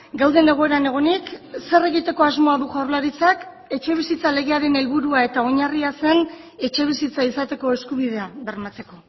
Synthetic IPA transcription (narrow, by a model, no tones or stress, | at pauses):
ɡawðe̞ne̞ɣ̞o̞e̞ɾane̞ɣ̞o̞nikse̞re̞ɣ̞it̪e̞ko̞azmo̞aðuʝaɾlaɾit͡sak | e̞t͡ʃe̞β̞isit͡sale̞ɣe̞aɾe̞ne̞lβuɾuae̞t̪ao̞ɲariase̞n | e̞t͡ʃe̞β̞isit͡saisat̪e̞ko̞e̞skuβið̞e̞aβe̞rmat͡se̞ko̞